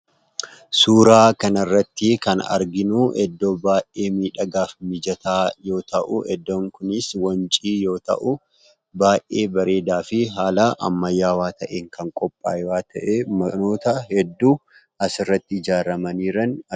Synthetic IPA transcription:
suːɾaːkɐnɐrːɐt̪ːɪkɐnɐ̰ɾɡɪnuʔɛd̪ːo̞ːbaːʔʔe̞ːmiːᶑɐɡaːfmɪd͡ʒɐt̪aːjo̞ːt̪ɐʔʊʔɛd̪ːo̞ːŋkʊnɪswɐnt͡ʃʼiːjo̞ːt̪ɐ̰ʔʊ | baːʔeːbɐɾe̞ːd̪aːfɪɦaːlɐʔɐ̰mːɐjːaːwaːt̪ɐʔeːŋkɐŋkʼɔpʼːa̰ːwaːt̪ɐʔemɐno̞ːt̪ɐhɛd̪ːuː | ɐsɪrːɐt̪ːɪɪd͡ʒaːɾɐmɐniːɾɐnɐ

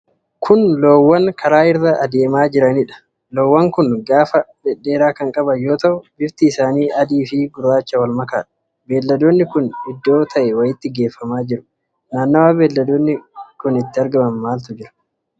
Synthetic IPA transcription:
kʰʊnlo̞ːwːɐŋkʰɐɾaːɪɾːɐʔːd̪e̞ːmaːd͡ʒɪɾɐnɪᶑɐ̥ | lo̞ːwːɐŋkʊnɡaːfɐbɛᶑːe̞ːɾaːkɐŋkʼɐbɐjo̞ːt̪ɐʔʊbɪft̪ɪːsaːniːʔɐd̪iːfɪɡʊraːt͡ʃːɐwɐlmɐka̰ːᶑɐ̥ | be̞ːlːɐd̪o̞ːnːɪkʊnɪd̪ːo̞ːt̪ʰɐʔɛwɐjɪt̪ːɪɡe̞ːfːɐmaːd͡ʒɪɾʊ̥ | naːnːowaːbe̞ːlːɐd̪oːnːɪkʊnɪt̪ːɪɐɾɡɐmɐmːaːlt̪ʊd͡ʒɪɾɐ̥

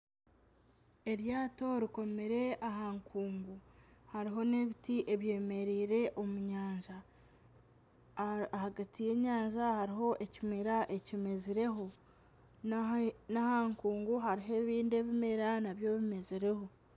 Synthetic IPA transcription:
e̞ɾjaːto̞ɾiko̞meɾe̞ʔaɦaːŋkʰuːŋɡuhaɾiɦo̞ne̞βitiʔe̞βje̞ːme̞ɾiːɾe̞ʔo̞muɲaːɲʒa | haɡatije̞ːɲaːɲʒahaɾiɦo̞ʔe̞cimeɾaʔe̞cimeziɾe̞ɦo | nahaːŋkuːŋɡuɦaɾiɦe̞ːβiːnde̞βimeɾanaβjo̞βimeziɾe̞ho̞

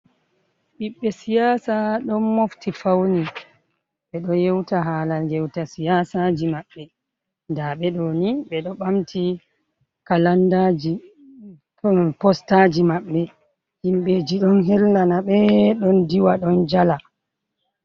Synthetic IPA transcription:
ɓiɓːɛsijasaɗɔnmoftifawni | ɓɛɗɔjewtaɦaːlaljɛwtasijasad͡ʒimaɓːɛ | ndaɓɛɗoniɓɛɗɔɓamtʰi | kalandad͡ʒi | pɔstad͡ʒimaɓːɛ | himɓeːd͡ʒiɗɔnɦɛlːanaɓɛɗɔndiwaɗɔnd͡ʒala

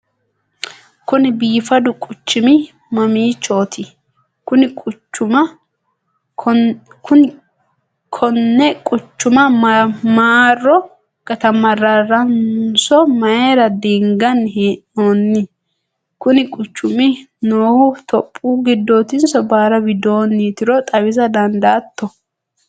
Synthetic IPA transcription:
kʊnɪbiːfɐd̪ʊkʼʊt͡ʃːɪmɪ | mɐmiːt͡ʃːoːt̪ʰɪ | kʊnɪkʼʊt͡ʃːʊmɐ | ʊ | kʰɔnːɛkʼʊt͡ʃːʊmɐmaːrːɔ | kɐt̪ɐmɐrɐrɐnsɔmɐeːɾɐd̪iːŋɡɐnɦiʔoːnːɪ | kʊnɪkʼʊt͡ʃːʊmɪ | noːhʊt̪ʰɔpʼːuːɡɪd̪ːoːt̪ɪnsɔbaːɾɐbɪd̪oːnːit̪ɪɾɔt̪ʼɐwɪzɐd̪ɐnd̪aːt̪ːɔ

